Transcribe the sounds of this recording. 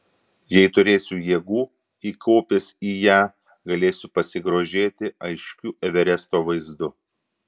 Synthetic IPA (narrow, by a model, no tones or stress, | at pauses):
jɛɪt̪ʊɾʲeːsʲuːjeːɡuː | iːkʰoːpʲɪsiːjæː | ɡɐlʲeːsʲʊpɐsʲɪɡɾoːʒʲeːt̪ʲɪɐɪʃʲkʲuːʔɛʋʲɛɾʲɛst̪oːʋɐɪzd̪ʊ